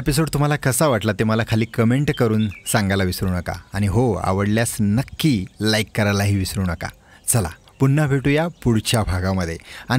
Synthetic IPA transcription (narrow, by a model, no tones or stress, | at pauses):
episoɽt̪um̤alakəsaʋaʈlat̪eməlakʰaliːkəmeɳʈkəɾuːnsãŋɡajlaʋisɾuːnəka̰aɽ̃iɦoa̰ʋəɽljasnəkːiːlaikːəɾajlaɦiːʋisɾuːnəka̰ | t͡səla̰ | punːəbʱeʈuːjapuɽt͡ɕʰabʱaɡaməd̪ʱːjeai